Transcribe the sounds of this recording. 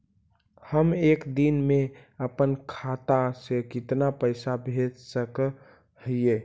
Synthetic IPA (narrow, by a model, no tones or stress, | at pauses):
həmeːkd̪inmẽ | əpənkʰaːt̪asekɪt̪napəɪsabʱed͡ʒsək | həije